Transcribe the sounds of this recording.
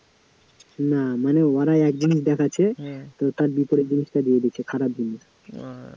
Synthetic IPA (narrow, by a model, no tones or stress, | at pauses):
namaneoaɾaɛk̚d͡ʑiniʃd̪ɛkʰat͡ɕʰet̪ot̪aɾbipoɾeɾd͡ʑiniʃʈad̪ied̪it͡ɕʰekʰaɾab̚d͡ʑiniʃ